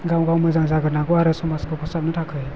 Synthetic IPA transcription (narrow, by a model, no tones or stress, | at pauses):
ɡawɡawmɯzaŋzaɡɯnaɡɔaɾɯsɔmaskʰɯkʰɔsap̚nɯtʰakʰɯj